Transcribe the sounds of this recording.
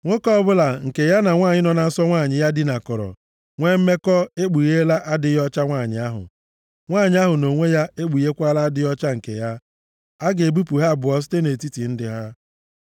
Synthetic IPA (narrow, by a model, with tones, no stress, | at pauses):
ŋʷo˦kɔ˦bʊ˦la˨ŋ̩˨ke˨ja˦na˨ŋʷaː˦˨ɲɪ˦nɔ˨na˨n̩˦sɔ˦ŋʷa˦˨ɲɪ˨ja˦dɪ˨na˨kɔ˨ɾɔ̰˨ | ŋʷe˦m̩˦me˦kɔ˦e˦k͡pu˨ɣe˦la˦ʔa˦dɪ˦jɔ˦t͡ʃa˦ŋʷa˦˨ɲɪ̰˨a˦ɦʊ̰˨ | ŋʷaː˦˨ɲɪ˦a˦ɦʊ˨no˨ŋʷe˦ja˦e˦ɡ͡bu˨ɣe˦kʷa˦la˦dɪ˦jɔ˦t͡ʃa˦ŋ̩˨kḛ˨ja˦ | a˦ɡe˨bu˦pu˨ɦa˦˨bʊ˨ɔ˨s̬i̥˦te˦ne˨ti˦ti˨n̩˦dɪ˨ɦa˦